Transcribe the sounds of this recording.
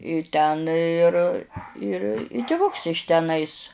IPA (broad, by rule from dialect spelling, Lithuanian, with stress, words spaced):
ɪ ˈtʲɛn ɪr ɪr ɪ tʲɪˈʋʊks ɪʃ tʲɛˈnɐɪs